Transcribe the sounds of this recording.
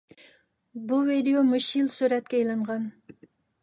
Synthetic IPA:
buvid̪ejomuʃilˠsyɾɛt̪̚kʲɛejlˠɨɴʁɑn

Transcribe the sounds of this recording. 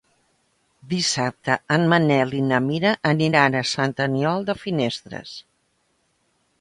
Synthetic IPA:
d̪isap̚t̪əənmənɛlinəmiɾəʔəniɾanəsənt̪əniɔlˠd̪əfinest̪ɾə̰s

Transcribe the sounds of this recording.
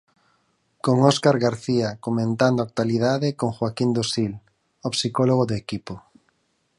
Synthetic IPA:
koŋɔskaɾɣaɾθiakomẽnt̪and̪oak̚t̪waliðaðekoŋxwakind̪osil | opsikɔloɣ̞oðekipo

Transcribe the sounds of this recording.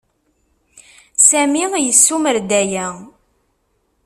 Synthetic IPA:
sæmijəsːuməɾd̪æjæ

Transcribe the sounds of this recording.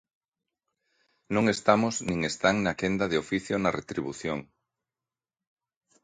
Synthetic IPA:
nõŋest̪amoznĩŋest̪aŋnakend̪ɐðeofiθjonɐret̪ɾiβuθjoŋ

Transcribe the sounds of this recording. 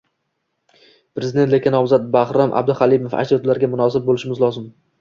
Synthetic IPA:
pɾezɪd̪et̪lekʲɪnɒmzat̪̚bahɾamʔa̰b̚d̪ɪχalˠimofa̰j̪ɒt̪laɾɡʲamʊnɒs̬ɪb̚bolɪʃɪmɪzlˠɒzɪm

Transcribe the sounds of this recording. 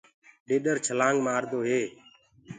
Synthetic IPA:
ɗeːɗəɾt͡ʃʰəlãːŋɡmaːɾd̪oːɦeː

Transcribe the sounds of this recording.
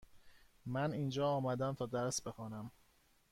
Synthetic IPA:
mæniːnd͡ʒɒːɒːmæd̪æmt̪ʰɒːd̪æɾsbe̞xɒːnæm

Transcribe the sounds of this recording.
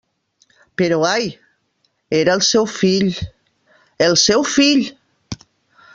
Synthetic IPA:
peɾoaj | eɾalˠsɛwfiʎ | elˠsɛwfiʎ

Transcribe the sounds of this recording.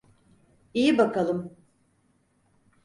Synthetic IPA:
ijibakʰalˠɯm

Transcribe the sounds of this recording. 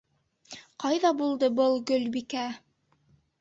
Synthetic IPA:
qɑjðɑbulˠd̪ɤbɤlˠɡɵlbikæ

